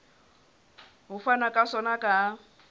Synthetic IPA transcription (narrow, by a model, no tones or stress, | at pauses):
ɦʊfanakʼasɔnakʼa